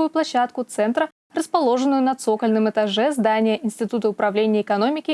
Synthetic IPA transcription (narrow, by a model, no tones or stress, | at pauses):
ʊjʊplˠɐɕːat̪kʊt̪sɛnt̪ɾə | rəspɐlˠo̞ʐɨnːʊjʊnɐt̪so̞kəlʲnɨmɨt̪ɐʐɛzd̪anʲɪjəʔɪnsʲtʲɪt̪ut̪əʊpɾɐvlʲenʲɪjəːkɐno̞mʲɪkʲɪ